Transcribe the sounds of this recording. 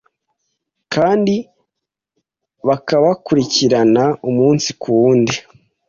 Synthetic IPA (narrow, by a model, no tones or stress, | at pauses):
kaːndi | βakaβakuɾiciɾanaumuːnsi̥kuwuːndi